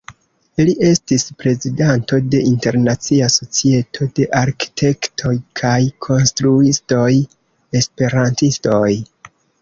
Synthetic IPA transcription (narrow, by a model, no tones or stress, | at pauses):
iliʔe̞stispɾe̞zidanto̞de̞inte̞ɾnat͡siaso̞t͡sie̞tʰo̞de̞ʔaɾki̥tʰe̞ktʰo̞jkʰajkʰo̞nstɾuisto̞j | e̞spe̞ɾantisto̞j